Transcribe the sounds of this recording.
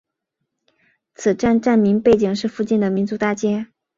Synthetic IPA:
t͡sʰɹ̩˨˩ʈ͡ʂa˥˧nʈ͡ʂa˥˩nmi˧˥ŋpe˥˩ɪt͡ɕi˨˩ŋʂɻ̩˥˧fu˥˧t͡ɕi˥˩nd̪ə˩mi˧˥nt͡su˧˥t̪a˥˩t͡ɕjɛ˥

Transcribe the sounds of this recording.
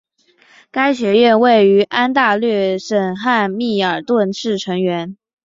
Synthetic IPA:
ka˥ɪɕɥɛ˧˥ɥɛ˥˧nwe˥˩ɪy˧˥ʔa˥nt̪a˥˧lɥɛ˥˩ʂə˨˩nxa˥˧nmi˥˩ə˞˨˩t̪wə˥˧nʂɻ̩˥˩ʈ͡ʂʰɤ˧˥ŋɥɛ˧˥n

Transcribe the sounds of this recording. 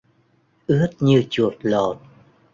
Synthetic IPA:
ʔɨ˦˥ət̚ɲɨ˧t͡ɕu˨˩ət̚lo˨˩t̚

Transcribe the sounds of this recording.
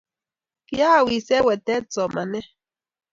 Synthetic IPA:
ki˦ja˦˨wi˨sɛ˦wɛ˨t̪ɛ˦t͡sɔ˨ma˨nɛ˦

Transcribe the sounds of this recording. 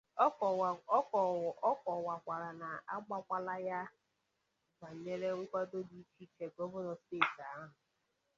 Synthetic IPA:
ɔ˦kɔ˨wa˨kʷa˨ɾa˨na˨a˦ɡ͡ba˦kʷa˦la˦ja˦ | ba˨ɲe˦ɾe˦ŋʷʊ˦kʷa˦do˦di˨t͡ʃi˦t͡ʃe˨ɡo˦vɔ˦ɾɔ˨steː˦˨ta˦ɦʊ˨

